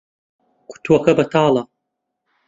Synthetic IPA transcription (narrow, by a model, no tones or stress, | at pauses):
kʰʷu̥t̪ʰwɐkɐbɐtʰaːla